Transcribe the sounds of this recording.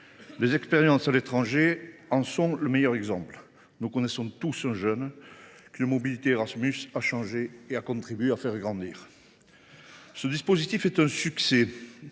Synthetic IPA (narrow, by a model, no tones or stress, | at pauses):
lezɛkspeʁjɑ̃salet̪χɑ̃ʒeɑ̃sɔ̃ləmɛjœʁɛɡzɑ̃pl | nukɔnesɔ̃t̪usɛ̃ʒœnkynəmɔbilit̪eʁasmysaʃɑ̃ʒeːakɔ̃t̪χibɥeafɛʁɡʁɑ̃d̪iːʁ | səd̪ispɔzit̪ifɛt̪ɛ̃sykse